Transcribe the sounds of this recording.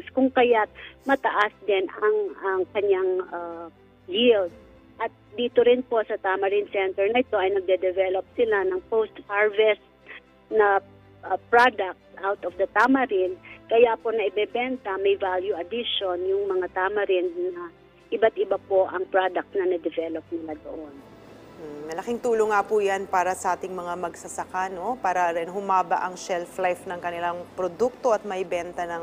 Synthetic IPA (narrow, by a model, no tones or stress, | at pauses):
skʊŋkɐjat̪̚mɐt̪ɐʔasd̪ɛnʔɐŋʔɐŋkɐɲaŋʔa | jild̪̚ | ʔɐt̪̚d̪iːt̪oɾɪnpo̞sɐt̪amɐɾinsɛnt̪ɛɹnɐɪt̪o̞ʔɐjnɐɡ̚d̪ɛd̪ɛvɛlop̚sɪlanɐŋpowst̪̚haɹvɛst̪̚ | nɐ | ʔpɹad̪ɐk̚t̪sʔawt̪ɔfd̪ɐt̪amɐɾɪnkɐjapo̞nɐʔɪbɛbɛnt̪ɐmɐjvaljuʔɐd̪ɪʃonjʊŋmɐŋat̪aːmɐɾɪnːɐ | ʔɪbat̪̚ɪbapo̞ʔɐŋpɹad̪ɐk̚t̪nɐnɛd̪ɛvɛlop̚nɪlad̪o̰ʔon̩ | mɐlɐkɪŋt̪uːloŋːapujanpaːɾɐsɐʔaːt̪ɪŋmɐŋamɐɡsɐsɐkano̞paːɾɐɾɪnɦʊmaːbɐ̰ʔɐŋʃɛlflajfnɐŋkɐnɪlaŋpɾod̪uk̚t̪o̞ʔɐt̪̚mɐʔɪbɛnt̪ɐnɐŋ